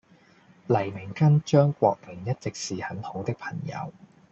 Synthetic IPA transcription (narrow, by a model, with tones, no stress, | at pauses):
lɐ˨˩jmɪ˨˩ŋkɐ˥nt͡ʃœː˥ŋkʷɔ̰ː˧k̚mɪ˨˩ŋjɐ˥t̚t͡sɪ˨k̚siː˨hɐ˨˥nho˨˥wt̪ɪ˥k̚pʰɐ˨˩ŋjɐ̰˨˧˥w